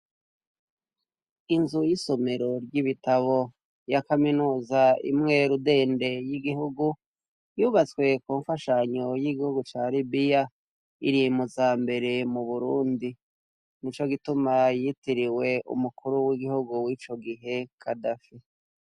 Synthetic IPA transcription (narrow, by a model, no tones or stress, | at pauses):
inzujiso̞me̞ɾo̞ɾɟiβitaβo̞ | jakaminuːzaḭmŋe̞ɾude̞ːnde̞jiɡiɦuɡu | juːβat͡skwe̞kuːɱfaʃaɲo̞jiɡihuɡut͡ʃaːlibija | iɾimuzaːmbe̞ɾe̞muβuɾuːndi | nit͡ʃo̞ɡitumajitiɾiwe̞ʔṵmukuɾuwiɡihuɡuwit͡ʃo̞ɡiɦe̞kʰadafe